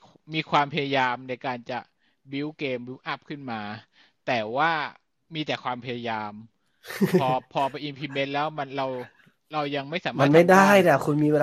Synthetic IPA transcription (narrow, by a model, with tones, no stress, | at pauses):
miː˧kʰwaː˧mpʰa˧ja˧jaː˧mna˧jkaː˧nt͡ɕa˨˩ | bi˦˥wkeː˧mbi˦˥wʔa˦˥p̚kʰɯ˥˩nmaː˧ | t̪ɛː˨˩waː˥˩ | miː˧t̪ɛː˨˩kʰwaː˧mpʰa˧ja˧jaː˧mʰ | ɔː˧pʰɔː˧pa˧jʔi˧npʰiː˧me˦˥nlɛː˦˥wma˧nɾa˧w | ɾa˧wja˧ŋma˥˩jsaː˩˦maa˧˩˧nma˧˥˩jda˥˩jna˥˩kʰu˧nmiː˧weː˧